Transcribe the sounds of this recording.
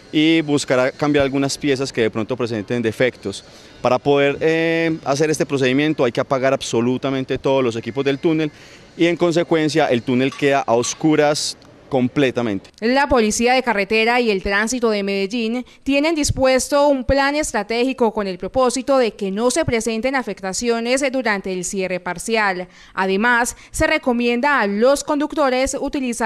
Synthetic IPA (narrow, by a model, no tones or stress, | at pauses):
ibuskaɾakambjaɾalɡunaspje̞s̬aske̞ðepɾo̞nt̪o̞pɾes̬e̞nt̪e̞nd̪e̞fe̞kt̪o̞s | paɾapo̞ðe̞ɾeas̬e̞ɾe̞st̪epɾo̞s̬e̞ðimjẽ̞nt̪oajke̞apaɣaɾabso̞lut̪amẽnt̪e̞t̪o̞ðozlo̞s̬ekipo̞zd̪e̞lt̪une̞l | ie̞ŋko̞ns̬e̞kwe̞ns̬jaʔe̞lt̪une̞lke̞ðaʔaoskuɾas | ko̞mple̞t̪amẽ̞nt̪e̥lapo̞lisiaðe̞kare̞t̪e̞ɾaie̞lt̪ɾansit̪o̞ðe̞me̞ðeʝint̪je̞ne̞nd̪ispwe̞st̪o̞umplane̞st̪ɾat̪e̞xiko̞ko̞ne̞lpɾo̞po̞sit̪o̞ðe̞ke̞no̞se̞pɾe̞se̞nt̪e̞nafe̞kt̪asjo̞ne̞zd̪uɾant̪e̞ːlsje̞re̞paɾsjal | aðe̞masː | e̞re̞ko̞mjẽ̞nd̪aːlo̞sko̞nd̪ukt̪o̞ɾe̞sut̪ilisa